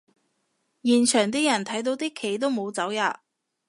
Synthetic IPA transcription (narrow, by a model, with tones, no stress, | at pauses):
jiː˨˩nt͡ʃʰœː˨˩ŋt̪iː˥jɐ˨˩nt̪ʰɐ˨˥jt̪̬o˨˧wt̪iː˥kʰe˨˩jt̪o˥wmo˨˧wt͡sɐ˨˥wjaː˧